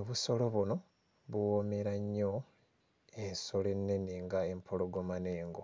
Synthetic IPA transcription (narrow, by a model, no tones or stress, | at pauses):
oβuso̞lo̞βuno̞ | βuwome̞ɾaɲːo | eso̞le̞nːeniŋɡae̞mpʰoloɡomaneːŋɡo